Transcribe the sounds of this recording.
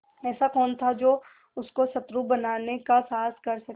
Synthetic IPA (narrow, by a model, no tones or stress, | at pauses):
ɛːsakɔːnt̪ʰad͡ʒoː | ʊskosɐt̪ɾubɐnaːnekasaːskɐɾsɐk